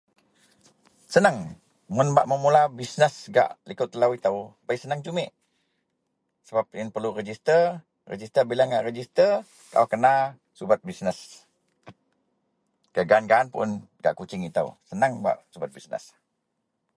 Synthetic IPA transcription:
sənaŋ | mʊnbaʔməmulabisnəsɡa̰ʔlikʊt̪ːəlawit̪awbaisənaŋd͡ʒumɪʔ | səbap̚jənpərlurəd͡ʒist̪ər | rə̰d͡ʒist̪ərbilaŋɡaʔrəd͡ʒist̪ər | ka̰akəna | subat̪̚bisnəs | kəɡanɡaʔːnpʊ̰nɡa̰ʔkut͡ʃɪŋit̪a̰wsənaŋba̰ʔsubat̪̚bisnə̰s

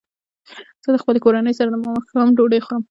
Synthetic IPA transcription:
z̥əd̪əxpəlekoɾanəjsaɾad̪əmɑməxkawamd͡ʒoɽəjxoɾəm

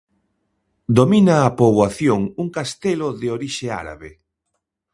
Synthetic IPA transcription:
d̪ominaːpoβwaθjoŋuŋkast̪eloðeoɾiʃea̰ɾa̰βe

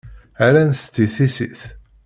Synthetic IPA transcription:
aɾænθt͡s̪ːiθisiθ

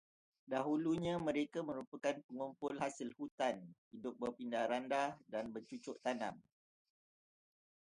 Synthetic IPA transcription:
daɦuluɲãmə̃ɾekamə̃ɾupakanpəŋumpʊlɦasɪlhut̪anhidʊp̚bərpindahɾandadanbət͡ʃut͡ʃʊʔt̪anã̰m

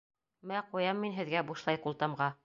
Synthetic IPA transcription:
mæqujɑmːinɦɘ̆ðɡæbuʃlˠɑjqulˠt̪ɑmʁɑ

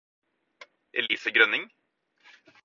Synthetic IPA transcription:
ʔɛ̰liːfəɡɾœnɪŋ

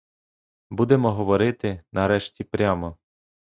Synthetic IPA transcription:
bud̪emɔɦɔʋɔɾɪt̪ɪnɐɾɛʃtʲipɾʲamɔ

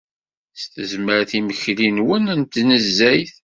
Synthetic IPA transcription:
st̪əzməɾθiməçlinwənænt̪nəzːæjθ

